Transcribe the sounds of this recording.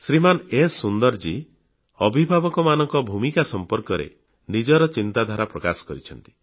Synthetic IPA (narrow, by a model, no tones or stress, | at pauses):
sɾimanesund̪ɔɾd͡ʒi | ɔbʱibʱabɔkɔmanɔŋkɔbʱumikasɔmpɔɾkɔɾḛ | nid͡ʒɔɾɔt͡ʃint̪ad̪ʱaɾapɾɔkasɔ̥kɔɾit͡ʃʰɔnt̪i̥